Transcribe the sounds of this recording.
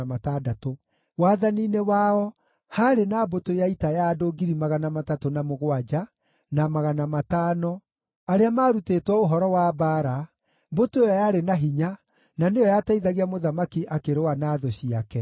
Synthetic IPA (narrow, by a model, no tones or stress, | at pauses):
matadato | waðaniːnewaɔ | haɾenabotojaitajadoɡiɾimaɣanamatatonamoɣwad͡ʒa | namaɣanamataːnɔ | aɾeamaːɾutetwɛoɦɔɾɔwabaːɾa | botoejɔjaɾenaɦiɲa | nanejɔjataiðaɣiamoðamakiʔakeɾewanaːðɔɕiakɛ